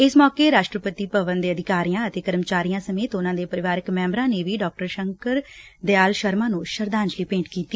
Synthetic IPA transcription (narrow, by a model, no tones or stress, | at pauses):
ɪsmɔːkeːɾaːʃʈɾəpət̪iːpəbənd̪eːəd̪ʱɪkaːɾijãːət̪eːkəɾmt͡ʃaːɾijãːsəmeːt̪ʊnãːd̪eːpəɾɪʋaːɾɪkmɛ̃ːmbɾãːneːʋiːɖɔːk̚ʈəɾʃəŋkəɾd̪eaːlʃəɾmãːnũːʃəɾd̪aːɲd͡ʒliːpẽːʈkiːt̪iː